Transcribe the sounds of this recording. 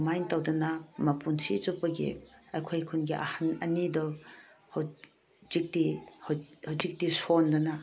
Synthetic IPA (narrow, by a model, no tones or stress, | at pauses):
majntawdɐnamɐpʰunsizupɐɡḛɐjkʰojkʰunɡiʔɐ̰hanɐ̰nidɔhaw | zik̚dihhawzik̚tisondɐna